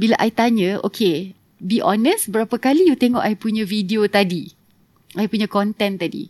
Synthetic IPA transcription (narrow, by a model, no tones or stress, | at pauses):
bilaʔajt̪aɲə̃ʔo̰kʰe | biʔɔnəsbəɾapakalijut̪eŋɔʔajpuɲãvidiot̪adi | ajpuɲãkɔnt̪ɛnt̪adḭ